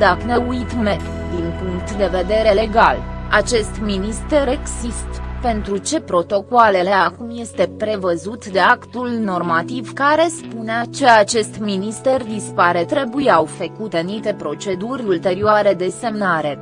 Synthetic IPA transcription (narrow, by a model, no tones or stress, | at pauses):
d̪aknəujt̪me | d̪inpuŋkt̪d̪e̞ve̞d̪e̞ɾe̞le̞ɡala̰t͡ʃe̞st̪minist̪e̞ɾe̞ɡsist̪pe̞nt̪ɾut͡ʃe̞pɾo̞t̪o̞koale̞le̞akumje̞st̪e̞pɾe̞vəzut̪d̪e̞akt̪ulno̞rmat̪ivkaɾe̞spuneat͡ʃe̞at͡ʃe̞st̪minist̪e̞rd̪ispaɾe̞t̪ɾe̞bujawfekut̪e̞niʃt̪e̞pɾo̞t͡ʃe̞d̪urʲult̪e̞ɾioaɾe̞d̪e̞se̞mnaɾe̞